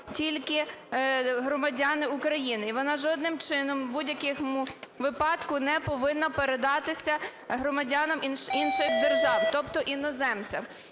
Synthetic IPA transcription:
tʲilʲkɪ | ɦɾɔmɐdʲɑnɪukɾɐjinɪiʋɔnɑʒɔd̪nɪmt͡ʃɪnɔmbudʲjɐkɪxmuʋɪpɑt̪kʊnɛpɔʋɪnːɐpeɾed̪ɑt̪ɪsʲɐɦɾɔmɐdʲɑnɐmiinʃɪxd̪erʒɑwt̪ɔpt̪ɔʔinɔzɛmt͡sʲɐm

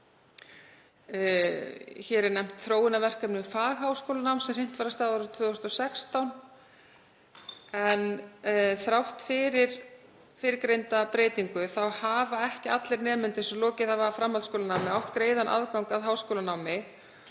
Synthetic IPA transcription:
çɛːɾɛɾnɛm̥t̪θɾoːwɪnavɛr̥kœpnʏmfaːɣɦawskoːlanawmsɛmrɪn̥t̪vaːɾast̪aːaɾʏðt̪ʰvœːst̪ɔsɛkst̪awn | ɛn | θɾawht̪fɪɾɪɾ̥ | fɪɾɪɾkɾejnt̪apɾeːjt̪iŋkʏθawhavaɛhcɪat̪lɪɾnɛːmʏnt̪ɪsɛlɔːcɪθavaafɾamhalskoːlanawmɪawht̪kɾeːjðanʔa̰ðkawŋkaðɦaːwskoːlanawmɪ

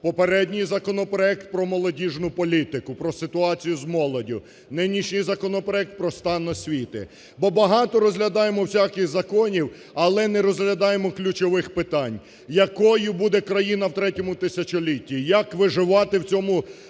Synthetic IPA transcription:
pɔpeɾɛdʲnʲijzɐkɔnɔpɾɔɛk̚t̪̚pɾɔmɔlˠɔdʲiʒnʊpɔlʲit̪ɪkʊpɾɔsɪt̪ʊɑt͡sʲijʊzmɔlˠɔdʲʊ | nɪnʲiʃnʲɪjzɐkɔnɔpɾɔɛk̚t̪̚pɾɔst̪ɑnɔsʲʋʲit̪ɪ̰ | bɔbɐɦɑt̪ɔɾɔzɦlʲɐd̪ɑjemɔwsʲakɪɣzɐkɔnʲiw | ɐlˠɛnɛɾɔzɦlʲɐd̪ɑjemɔklʲut͡ʃɔʋɪxpɪt̪ɑnʲ | jɐkɔjʊbud̪ɛkɾɐjinɐwt̪ɾɛtʲɔmʊt̪ɪsʲɐt͡ʃɔlʲitʲːijɐkʋɪʒɪʋɑt̪ɪwt͡sʲɔmʊ

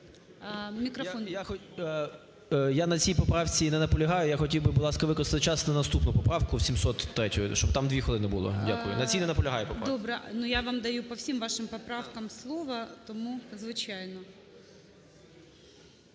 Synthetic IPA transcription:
mʲikɾɔfɔnjaxɔ | janɐt͡sʲijpɔpɾɑwt͡sʲinɛnɐpɔlʲɐɦɑjʊjaxɔtʲiwbɪbʊlˠɑskɐʋɪkɾɐst̪ɪt̪ɪt͡ʃɑsnɐnɐst̪upnʊpɔpɾɑwkʊwsʲimsɔt̪ːɾɛtʲʊjʊʃt͡ʃɔbt̪ɑmd̪ʋʲixɔlˠɪnɪbʊlˠɔ̰dʲakʊjʊ̰nɐt͡sʲijnɛnɐpɔlʲɐɦɑjʊpɔpdɾd̪ɔbɾɛnujaʋɑmd̪ɐjupɔwsʲimʋɑʃɪmpɔpɾɑwkɐmslˠɔʋɐt̪ɔmuzʋɪt͡ʃajnɔ

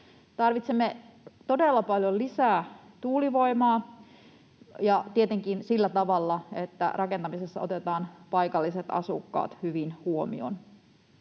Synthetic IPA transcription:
t̪ɑrʋit̪semːet̪o̞delːɑpɑljolisæː | t̪uːliʋo̞imɑː | jɑt̪iet̪eŋkinsilːæt̪ɑʋɑlːɑet̪ːæ̰rʔɑke̞nt̪ɑmisesːɑ̰ot̪et̪ɑːnpɑjkɑlːiset̪ɑ̰sukːɑ̰ːt̪hyʋinhuomḭo̰n

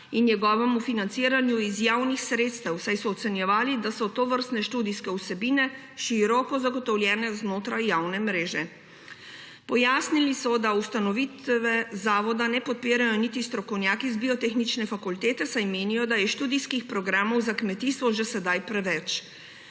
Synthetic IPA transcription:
inːjɛɡɔːʋɛmufinant̪siːɾanjuizjaːwnixsɾeːt̪st̪ɛwsajsɔːt̪sɛnjɛʋaːlid̪asɔt̪oʋəɾst̪nɛʃt̪uːd̪iskɛusɛbiːnɛ | ʃiɾɔkɔzaɡɔt̪ɔwljɛːnɛznoːt̪ɾajːaːwnɛmɾeːʒɛ | pɔjaːsnilisɔd̪aust̪anɔʋiːt̪ʋɛzaːʋɔd̪anɛpɔt̪̚piːɾajɔnit̪ist̪ɾɔkɔwnjaːkizbiɔt̪exnit͡ʃnɛfakult̪eːt̪ɛsajmeːnijɔd̪ajɛʃt̪uːd̪iskixpɾɔɡɾaːmɔwzakmɛt̪iːst̪ʋɔʒɛsɛd̪ajpɾɛʋɛt͡ʃ

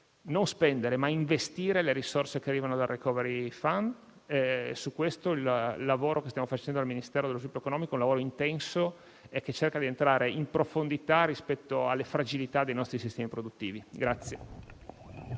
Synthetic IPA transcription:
nonspɛnd̪eɾemaiɱvest̪iːɾeleɾisorsek̟earːiːvanod̪arːekɔːveɾifand̪ | sukːwest̪oilːavoːɾokest̪jamofat͡ʃɛnd̪oalminist̪ɛːɾod̪elozlupːjoekonɔːmikoũlavoːɾoint̪ɛnso | ɛk̟ːet͡ʃːerkad̪ient̪ɾaːɾeʔimpɾofond̪it̪arispɛt̪ːoa̰lːefɾad͡ʒilit̪ad̪ejnɔst̪ɾisist̪ɛːmipɾod̪ut̪ːiːviɡɾat̪sːje

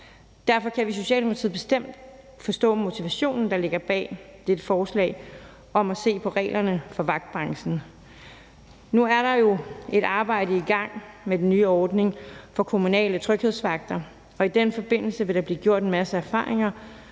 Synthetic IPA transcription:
d̥æɐ̰fɒ̽kʰæʋiso̝ɕiɛ̰ːlmolt͡sʰið̰ˠb̥e̝sd̥em̰d̥ | fɒ̽sd̥ɔ̰̽ːmo̝t͡sʰiʋæɕo̝̰ːnn̩d̥ɑ̈le̝ɡ̥ɐb̥ɛ̰ːd̥ed̥əfɒːslɛ̰ɪ | ɒ̽mæse̝̰ːpʰɒ̽ʁɛ̰ːlʔɐnəfɒ̽ʋɑ̈ɡ̥̚d̥̚b̥ʁɑ̈ŋsn̩ | nuæɐɾɑ̈jo̝e̝ɾ̥ɑ̈ːb̥ɑ̈ɪ̰ɾəiɡ̥ɑ̈ŋ̰medenːyːɒːd̥ne̝ŋfɒ̽kʰo̝munɛ̰ːlət͡sʰʁœɡ̥he̝ðˠsʋɑ̈ɡ̥̚d̥ɐ | ɒ̽id̥enfɒ̽b̥e̝n̰l̩səʋe̝ɾ̥ɑ̈b̥liːɡ̥jo̝ɐ̰d̥enmæsəæɐfɑ̰̈ːʁe̝ŋɐ

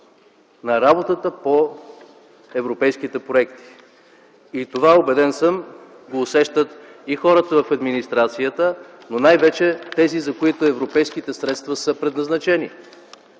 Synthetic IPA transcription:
nɐɾabot̪ət̪əpo | ɛvɾopɛjskit̪ɛpɾoɛkt̪i̥ː | t̪ovaobɛd̪ɛnsəm | ɡoːsɛʃt̪ət̪ixɔɾət̪əvɐfɐd̪minist̪ɾat̪sijət̪ə | nonajvɛt͡ʃɛt̪ɛzizɐkoit̪oɛvɾopɛjskit̪ɛsɾɛt̪st̪vɐsɤpɾɛd̪nɐznɐt͡ʃɛni

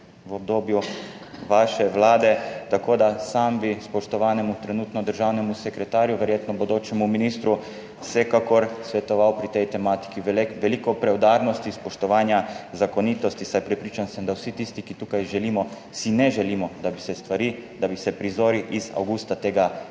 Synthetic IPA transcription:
ʋɔb̚d̪oːbju | ʋaːʃɛʋlaːd̪ɛt̪akoːd̪asambispɔʃt̪ɔʋaːnɛmut̪ɾɛnut̪nɔd̪əɾʒawnɛmusɛkɾɛt̪aːɾjuʋɛɾjeːt̪nɔbɔd̪oːt͡ʃɛmuminiːst̪ɾu̥ | sɛkakɔɾsʋɛt̪ɔʋawpɾit̪ɛjt̪ɛmaːt̪i̥kiʋʋɛlikɔpɾɛwd̪aɾnɔst̪ispɔʃt̪ɔʋaːnjazakɔniːt̪ɔst̪isajpɾɛpɾiːt͡ʃansɛmd̪awsit̪ist̪ikit̪uːkajʒɛlimɔ | sinɛʒɛliːmɔd̪abisɛst̪ʋaɾid̪abisɛpɾizoːɾiʔiza̰wɡust̪at̪eːɡa

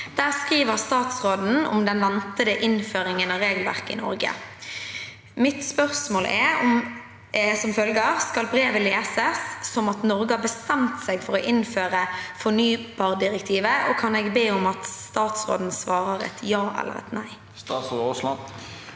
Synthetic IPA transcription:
d̪̥æːʁskʁiːʋəʁst̪ɑːt̪sʁoːd̪n̩ɔ̰md̪ɛnʋɛnt̪əd̪əʔɪnføːʁɪŋənɑʋɾeːɡəlʋæʁkəɪ̰nɔ̰ɾɡə̰ | mɪt̪spœʁsmoːlʔɛɔm | sɔmfœlɡəʁskɑlbɾeːʋəleːsəsːɔmɑt̪nɔʁɡəhɑbəst̪ɛmt̪sɛɡfɔʁɔʔɪnføːʁəfɔʁnyːb̥ɑːʁd̪ɪʁɛkt̪ʰiːʋəʔokʰɑnɛɡbeːʊmɑt̪st̪ɑːt̪sʁo̰ːd̪n̩sʋɑːɾəɾɛ̰t̪ʰjɑːʔɛ̰lːə̰ɾɛ̰t̪næɪ | st̪ːsoːslɑ

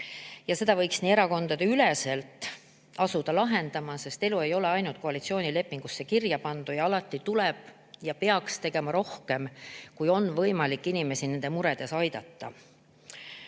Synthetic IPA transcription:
jɑse̞d̪̥ɑvɤjksniːe̞ɾɑko̞nd̪̥ɑd̪eylese̞lt̪ːˑ | ɑsud̪̥ɑlɑɦe̞nd̪ɑmɑse̞st̪e̞lue̞jo̞le̞ɑjnult̪̚ko̞ɑlit̪sio̞ːnile̞pːˑiŋɡ̥usːe̞kirjɑpɑnd̪̥ujɑɑlɑt̪ːˑit̪ulɛb̥ | jɑpe̞ɑkst̪e̞ɡ̥e̞mɑɾo̞hke̞mkujo̞nvɤjmɑlikˑːinime̞sine̞nd̪e̞muɾe̞d̪̥e̞sɑjd̪ɑt̪ːɑ̰

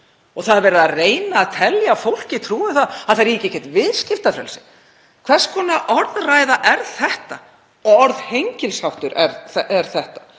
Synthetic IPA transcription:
ɔɣθaðaɾvɛːɾɪðareːjnaːðt̪ʰɛljaːfowl̥cɪt̪ʰɾuːɪθaðaðθaɾiːcɪcɛt̪vɪðscɪft̪afɾɛ̰lsɪ | kʰv̥ɛr̥skʰɔːnaʔɔɾðrajðaʔɛɾθɛht̪a | ɔɔɾðhejɲcɪlshawht̪ʏɾɛɾɛɛɾ̥θɛht̪ḁ

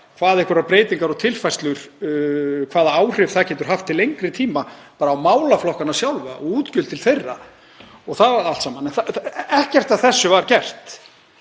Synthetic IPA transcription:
kʰvaːðɪhkʏɾapɾeːjt̪iŋkaɾɔt̪ʰɪlfajst̪lʏɾ̥ | kʰvaːðaaːwr̥ɪvθaðcʰɛːt̪ʏɾ̥ɦaft̪ʰːɪlejŋkɾɪt̪ʰiːmapaːɾaːwmaːwlaflɔhkanasjawlva̰ʔɔ̰ɣuːt̪cʏlt̪ʰɪlθejrːa̰ | ɔɣθaðaal̥t̪saːmanɛnθaɛhcɛr̥t̪aðθɛsːʏvaɾcɛr̥t̪

